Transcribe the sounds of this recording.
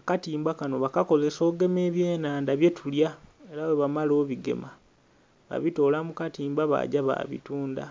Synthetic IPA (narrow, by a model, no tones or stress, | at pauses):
akatiːmbakano̞βakako̞ze̞so̞ːɡe̞me̞ːβje̞ːnaːndaβje̞tuljae̞ɾawe̞βamalo̞ːβiɡe̞̰ma | βa̰βito̞ːlamukatiːmbaβa̰ɟaβa̰βḭtuːnda̰